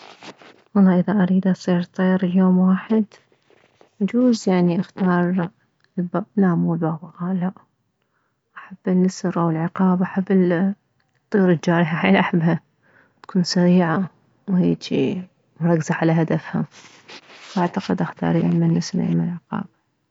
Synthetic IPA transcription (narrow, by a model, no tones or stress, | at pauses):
wɑlˤːɑːʔɪðaʔaɾiːd̪asˤiːɾˤt̪ˤːeːɾɪljoːmwaːħɪd̪ | ʔad͡ʒuːzjaʕniʔaxt̪ɑːɾˤ | lbanaːmulbaːbaqaːlːaʔ | ʔaħab̥ːɪnːasɾʔawɪlʕɪqɑːbʔaħabː | t̪ˤːuːɾɪt̪d͡ʒaːɾɪħaħaːlʔaħabha | t̪kʰuːnsaɾiːʕa | wheːt͡ʃi | mɾˤɑkːzaʕalaɦad̪afha | wʔaʕt̪aqɪd̪ʔaxt̪ɑ̰ːɾˤijammɪnːɪsɾ̰ʔa̰mnɪlʕɪqɑ̰ːba